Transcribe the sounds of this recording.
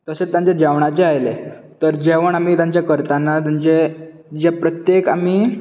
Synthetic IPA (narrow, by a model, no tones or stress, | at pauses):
t̪əsejãɲt͡ɕed͡ʑɛʋɳ̃at͡ɕeajle | t̪əɾd͡ʑeʋəɳ̃am̤iːt̪̬jãɲt͡ɕjakəɾt̪anːat̪aɲt͡ɕe | d͡ʑepɾət̪jekamiː